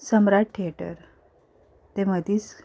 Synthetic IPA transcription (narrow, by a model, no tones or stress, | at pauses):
səmɾaʈ̚ʈʰːeʈə̰ɾ | t̪eməd̪ʱiːt͡s